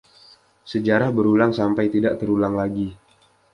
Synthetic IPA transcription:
səd͡ʒaɾahbəɾulaŋsampajt̪idaʔt̪əɾulaŋlaɡi

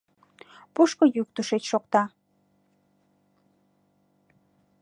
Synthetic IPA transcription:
puʃkojyk̚t̪uʃet͡ɕʃokt̪ɑ

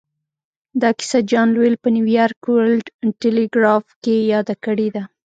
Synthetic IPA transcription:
d̪ɑki̥sad͡ʒɑnlwelpəniwijɑɾkwlɖʈeleɡɾɑfkejɑd̪akəɽed̪a

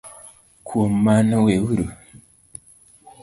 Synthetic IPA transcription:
kʰwomanowewuɾu

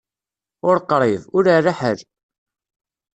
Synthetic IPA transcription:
ʊɾqːɾˤevʊɾaðaħəl

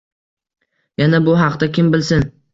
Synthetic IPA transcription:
janabʊɦɑqt̪akʲɪmbɪlsɪn

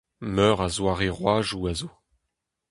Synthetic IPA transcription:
mœːʁazwaʁeʁwaːʒuazoː

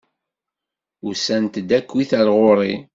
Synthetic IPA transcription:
ʊsænt̪əd̪ækːwiθælʁoɾˤi

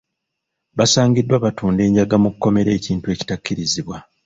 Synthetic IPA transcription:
βasaːɲɟidːwaβatuːnde̞ːɲɟaɡamukukːo̞me̞ɾe̞ːciːntue̞ːci̥tacːiɾiziβwa

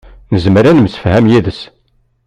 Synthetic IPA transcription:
nəzmɾænməsə̥fhæmjiðəs

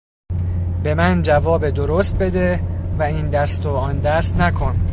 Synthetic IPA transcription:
be̞mænd͡ʒævɒːbed̪oɾost̪̚be̞d̪evæiːnd̪æst̪ʰoɒːnd̪æst̪nækʰo̞n

